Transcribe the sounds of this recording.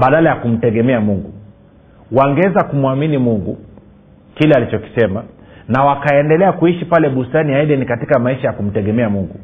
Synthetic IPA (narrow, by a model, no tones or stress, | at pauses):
ɓaɗalajakum̩tɛɠɛmɛamuŋɡu | waŋɡɛɛzakumwaminimuŋɡu | kilɛalit͡ʃɔki̥sɛma | nawakaɛndɛlɛakuiʃipalɛɓustaniaiɗɛnikatikamaiʃajakum̩tɛɠɛmɛamuŋɡu